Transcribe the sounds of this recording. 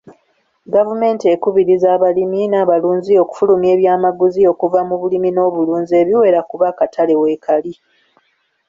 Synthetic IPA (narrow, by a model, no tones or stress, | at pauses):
ɡavume̞ːntie̞kuβiɾizaːβaliminaːβaluːnzio̞ːku̥fulume̞ːβjaːmaɡuzio̞ːkuvamuβulimino̞ːβuluːnzie̞βiwe̞ːɾakuβakatʰale̞weːkʰali